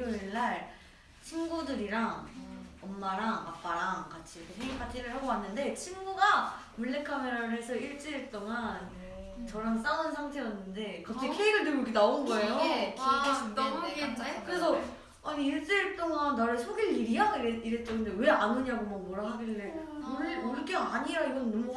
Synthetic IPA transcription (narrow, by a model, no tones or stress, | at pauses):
oeɭːaɭ | t͡ɕʰinɡudɯɾiɾaŋʌmːaɾaŋap͈aɾaŋkat͡ɕʰiɾʌkʰesʰeŋipʰat͡ɕ͈ʰiɾɯɭɦaɡowanːɯnde̞t͡ɕʰinɡuɡa | muɭːe̞kʰameɾanɦesʰʌiɭt͡ɕ͈iɾeɭt͈oŋan | t͡ɕʌɾans͈aɯnsʰaŋtʰe̞jʌnːɯnde̞kʌt͈ʰekʰeiɡɯnɯmjokʰenaonɯnɡʌejoikʰeɕʰit͈a | kɯɾe̞s̬ʰʌ | aniiɭt͡ɕ͈iɭt͈oŋanːaɾɯɭsʰoɡiɭiɾiɦaɡoiiɾet͡ɕ͈ʌŋɯndewe̞anɯɲaɡomʌmʌɾaɭɦaɡiːe | moɭːoik͈eaɲijaiɡʌnːʌmu